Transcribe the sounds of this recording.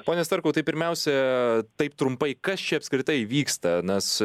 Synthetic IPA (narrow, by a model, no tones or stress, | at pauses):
poːnʲɛst̪ɐɾkɐʊt̪ɐɪpʲɪɾʲmʲɛʊsʲɛt̪ɐɪp̚t̪ɾʊmpɐɪkɐst͡ʃʲɛɐpskɾʲɪt̪ɐɪʋʲiːkst̪ɐnʲɐs